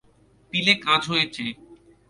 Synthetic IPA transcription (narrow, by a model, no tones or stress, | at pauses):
pilekad͡ʑɦojet͡ɕʰe